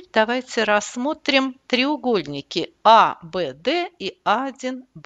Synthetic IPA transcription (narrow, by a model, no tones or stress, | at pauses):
d̪ɐvajt͡sʲɪɾɐsmo̞t̪ɾʲɪmt̪ɾʲɪʊɡo̞lʲnʲɪkʲɪabɛd̪ɛiad͡zʲinb